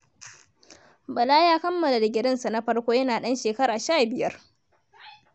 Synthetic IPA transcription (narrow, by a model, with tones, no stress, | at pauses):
bɐ˨laː˦jaː˦kɐ˦mːɐ˨la˨da˨ɡʲɪ˨ɾɐ˦nsa˨na˦ɸɐ˦ɽkʷoː˦jɐ˦naː˨ɗɐ˦nʃeː˨kɐ˦ɾaː˨ʃaː˦˨bɪ˨jɐ˦r